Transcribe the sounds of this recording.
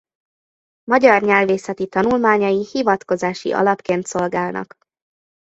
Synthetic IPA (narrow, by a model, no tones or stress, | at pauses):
mɒɟɒrɲɛlveːsɛt̪it̪ɒnulmaːɲɒjihivɒt̪ko̞zaːʃḭʔɒ̰lɒpkeːnt̪so̞lɡaːlnɒ̰k